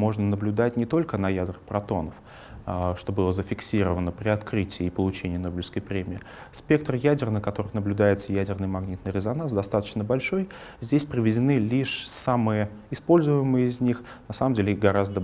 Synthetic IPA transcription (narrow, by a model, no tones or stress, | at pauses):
mo̞ʐnənəblʲʊd̪atʲnʲɪt̪o̞lʲkənɐjad̪rɨpɾɐt̪o̞nəf | ʂt̪o̞bɨlˠəzəfʲɪksʲiɾəvənəpɾʲɪɐt̪kɾɨtʲɪːpəlˠʊt͡ɕenʲɪjənobʲlʲɪskəjpɾʲemʲɪɪ | sʲpʲe̞k̚t̪rjædʲɪrnəkɐt̪o̞ɾɨnəblʲʊd̪ajɪt̪səjædʲɪrnɨjmɐɡnʲit̪nɨjɾʲɪzɐnansd̪ɐst̪at̪ə̥t͡ɕnəbɐlʲʂo̞jzʲdʲesʲpɾʲɪvʲɪdʲɪnɨlʲiʂsamɨjə | ɪspo̞lʲzʊjɪmɨjəɪzʲnʲixnɐsaməmʲelʲɪɡɐɾazd̪ə